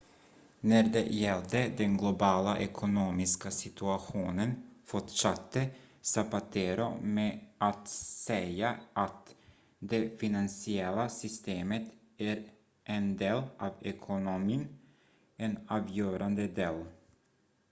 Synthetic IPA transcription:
næd̪ɛ̰jɛld̪əd̪ɛnɡlʊbɑːlaʔɛkʰʊnoːmɪskasɪt̪ʰʉaɧuːnənfɔʈʂat̪ʰːəsapat̪ʰeːɾʊmeːʔat̪sɛjaʔat̪ | d̪efɪnansɪɛlasʏst̪eːmət̪ | æɾ | ʔɛnd̪eːlʔaːvɛkʰʊnʊmiːn | ɛnɑːvjøːɾʔand̪əd̪eːl

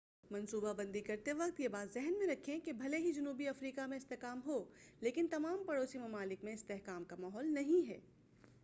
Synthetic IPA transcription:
mɐ̃nsuːbabɐ̃nd̪ikɐɾt̪eʋɐq̚t̪jebaːt̪zɛɦnmẽɾɐkʰːẽkebʱɐleɦid͡ʒɐnuːbiɐfɾiːkamẽɪst̪eɦkaːmɦoleːkɪnt̪ɐmaːmpɐɽoːsimɐmaːlɪkmẽɪst̪eɦkaːmkamaːɦɔːlnɐɦĩɦɛ̰ː

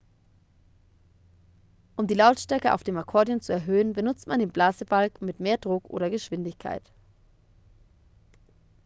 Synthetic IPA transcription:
ʔʊmdiːlaʊtʃtɛɐkəʔa̰ʊfd̥eːmakʰɔɐdiont͡suɛɐɦøːənbənʊt͡stmandeːnblaːzəbalkmɪtmeːɐdʁʊkʔo̰ːɾɐɡəʃv̥ɪndɪçkʰa̰ɪt

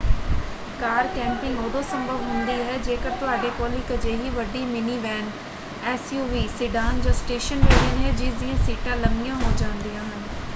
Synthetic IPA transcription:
kaːɾkɛ̃ːmpɪ̃ŋɡoːd̪õːsəmbʱəʋɦʊnd̪iːɦɛːd͡ʒeːkəɾt̪ʊaːɖeːkoːliːkəd͡ʒeːɦiːʋəɖiːmɪniːʋɛːn | ɛːsjuːʋiːsɪɖaːnd͡ʒãːsʈeːʃənʋeːɾẽːnɦɛːd͡ʒɪd̪ɪãːsiːʈãːləmɪjãːɦoːd͡ʒãːnd̪ijãːɦən

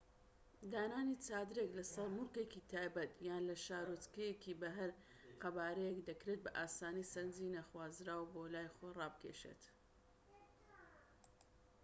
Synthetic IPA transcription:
d̪aːnaːnit͡saːd̪ɨɾeklɐsɐɾmulkekit̪ʰaːjbɐt̪jaːnlɐʃaːɾot͡skɐjekibɐɦɐɾ | qɐbaːɾɐjekd̪ɐkɾet̪̚bɐʔaːsaːnisɐɾnd͡zinaxwaːzɾaːwboːlaːjxojrɑːbɨkʰḛːʃḛt̪

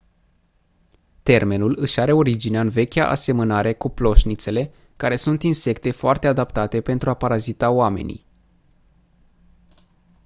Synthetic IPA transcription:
t̪e̞rme̞nulɨʃaɾe̞o̞ɾid͡ʒineɨnve̞kʲa̰ʔa̰se̞mənaɾe̞kuplo̞ʃnit̪se̞le̞ | kaɾe̞sunt̪inse̞kt̪e̞foart̪e̞ad̪apt̪at̪e̞pe̞nt̪ɾuapaɾazit̪aoame̞̰nḭj

